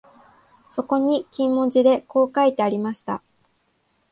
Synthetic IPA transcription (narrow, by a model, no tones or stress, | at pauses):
so̞ko̞ɲ̟ikʲĩmːõ̞d͡ʑid̪e̞ko̞ːkait̪e̞aɾʲimaɕi̥t̪a̰